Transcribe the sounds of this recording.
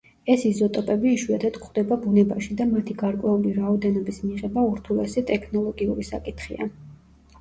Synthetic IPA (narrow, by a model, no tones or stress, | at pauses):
ɛsizɔt̪ʼɔpʼɛbiːʃwuat̪ʰat̪kʰχd̪ɛbabunɛbaʃid̪amat̪ʰiɡaɾkʼwɛuliɾaɔd̪ɛnɔbismiʁɛbauɾt̪ʰulɛsɛt̪ʼɛkʰnɔlˠɔɡiṵɾisa̰kʼit̪ʰχḭa̰